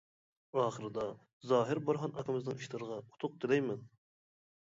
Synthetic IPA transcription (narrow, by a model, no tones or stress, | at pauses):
ɑːχəɾɨd̪ɑ | zɑːɦɪɾbɑɾɦɑnɑkɨmɨznɨŋiʃlɨɾəʁɑu̥t̪ʰʊq̚t̪ʰɪlɛjmɪn